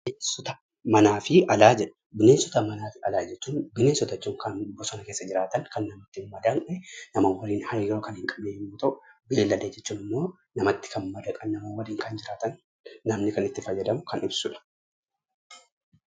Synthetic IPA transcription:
bɪneːnsɔt̪ɐ | mɐnaːfɪɐlaːd͡ʒɛᶑɐ̥ | bɪne̞ːnsɔt̪ɐmɐnaːfɪɐlaːd͡ʒɛt͡ʃːuːnbɪneːnsɔt̪ɐt͡ʃːuːŋkɐnbɔsɔnɐke̞ːsːɐd͡ʒɪɾaːt̪ɐŋkɐnːɐmɐt̪ːɪmmɐd̪ɐnʔɛnɐmɐːnwɐliːnhɐɾiːɾoːkɐnhɪŋkʼɐmeːmuːt̪ɐʔʊbe̞ːlːɐleːd͡ʒɛt͡ʃːuːnɪmːo̞ː | nɐmɐt̪ːɪ̥kʰɐnmɐd̪ɐkʼɐnːɐmɐːwɐliːŋkɐnd͡ʒɪɾaːt̪ɐnː | ɐmnɪkɐnɪt̪ːɪfɐjːɐd̪ɐmʊkɐnʊbsʊᶑɐ̥

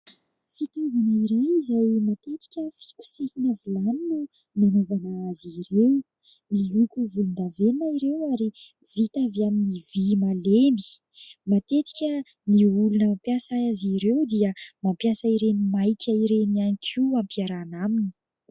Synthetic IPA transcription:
fit̪uvanaiɾejizajmat̪et̪i̥kʲəfi̥kʲu̥sehinavilaninu | nanovanaaziɾew | milukʲuvulund̪avennaiɾewaɾi | vit̪avaminivimalembi̥ | mat̪et̪i̥kʲə | niulunəmpjasaaziɾewd̪iəmampjasaiɾenimajkʰʲaiɾenianikʰiampiaɾanamini̥

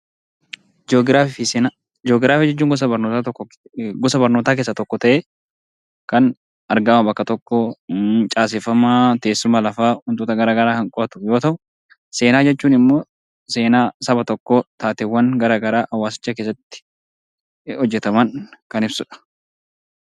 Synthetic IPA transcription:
d͡ʒoɡɾaːffiseːna | d͡ʒɔːɡɾaːfiːd͡ʒɛt͡ʃːuːŋɡʊs̬ɐbɐɾnoːt̪at̪ɔkː | ɡʊsɐbɐɾnoːt̪aːk̬e̞ːsːɐt̪ɔkːɔt̪ɐʔeː | kɐn | ɐɾɡɐmɐbɐkːɐt̪ɔkːɔt͡ʃʼaːs̬ɪfɐmaːt̪e̞ːsːʊmalɐfaːhʊnt̪uːt̪ɐɡɐɾaːɡɐɾaːɐŋkʼɔt̪ʊjo̞ːt̪ɐʔʊ | se̞ːnaːd͡ʒɛt͡ʃːuːnɪmːoː | se̞ːnaːsɐbɐt̪ɔkːot̪aːt̪ɪwːɐnɡɐɾaːɡɐɾaːʔɐwːaːsɪ̥t͡ʃːɐkeːs̬ːɐt̪ːɪ̥ | hɔd͡ʒːɛt̪ɐmɐnkɐnɪbsʊᶑɐ̥

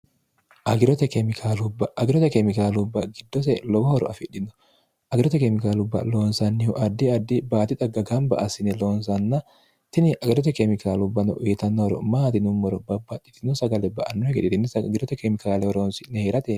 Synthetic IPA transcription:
ʔɐɡɪɾɔt̪ɛkɛmɪkʰaːlʊbɐʔɐɡɪɾɔt̪ɛkɛmɪkaːlʊbːɐɡɪd̪ːɔsɛlɔbɔhɔɾɔ̰ʔɐfɪᶑɪnːɔ̥ | ʔɐɡɪɾɔt̪ɛkɛmɪkaːlʊbːɐ̰loːnsɐnːɪhʊʔɐd̪ːɪɐd̪ːɪbaːt̪ɪt̪ɐɡɐɡɐmbɐ̰ʔɐsɪnɛloːnsɐnːɐ | t̪ɪnɪʔɐɡɪɾɔt̪̬ɛkɛmɪkaːlʊbːɐnɔʔʊːt̪ɐnːɔɔɾɔ̰maːt̪ɪnʊmːɔɾɔbɐbːɐt̪ːɪt̪ɪnʊsɐɡɐlɛbɐʔɐnːɔhɛkɛᶑ̪ɪt̪ɪnsɐɡɪɾɔt̪ɛkɛmɪkaːlɛhɔɾoːnsɪnɛheːɾɐt̪eː

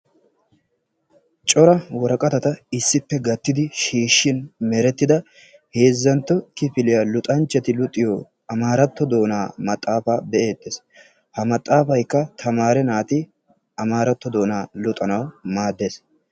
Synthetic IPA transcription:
t͡ʃʼɔɾɐwɔɾɐkʼɐt̪ɐt̪ɐɪsːɪpːɛɡɐt̪ːɪd̪ɪʃiːʃːɪnmɛɾɛt̪ːɪd̪ɐ | he̞ːzːɐnt̪ːɔkɪfɪlɪjalʊt̪ʼɐnt͡ʃːɛt̪ɪlʊt̪ʼːɪjɔ | ɐmaːɾɐt̪ːɔd̪o̞ːnaːmɐt̪ʼːaːfaːbɛʔe̞ːt̪ʼːes | hɐmɐt̪ʼːaːfɐjkːɐt̪ʰɐmaːɾɛnaːt̪ɪ | ɐmaːɾɐt̪ːɔd̪o̞ːnaːlʊt̪ʼɐnɐwmaːd̪ːeːs

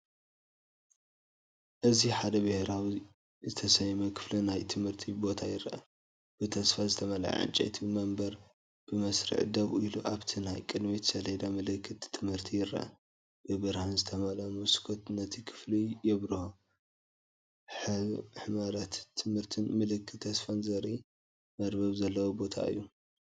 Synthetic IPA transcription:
ʔɨziħad̪ɐbɨheɾawi | zɨt̪ʰɐsɐjmɐkʰɨ̥flɐnajt̪ʰɨmhɨɾt̪ʰibo̞t̪ʰajɪɾɐʔɐ | b̥ɨt̪ʰɐsfazɨt̪ʰɐmɐlʕa̰ʕɨ̰nt͡ʃʼɐ̰t̪ʰiɨmɐmbɐɾ | b̥ɨmɐsɾḭʕd̪ɐβiluʔaβt̪ʰinajkʼɨd̪mit̪ʰsɐled̪amɐlɐkʰːɨt̪ʰːɨmhɨɾt̪ʰijɪɾːɐ̰ʔɐ̰ | b̥ɨbɨɾhanzɨt̪ʰɐmɐlamuskʰot̪nɐt̪ʰikʰɨ̥flijɛβɾɨho | ħaz̰ħmaɾat̪ʰːɨmhɨɾt̪ʰɨnmɨlɨkʰːɨt̪ʰːɐsfanzɐɾi | mɐɾbɐβzɐlːɐwobo̞t̪ʰa̰ɨ̰jːu

